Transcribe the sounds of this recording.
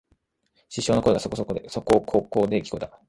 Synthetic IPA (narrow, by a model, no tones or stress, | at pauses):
ɕiɕo̞ːnokoɾeɡasokoosokokʰo̞ːko̞ːd̪e̞kʲi̥ko̞d̪a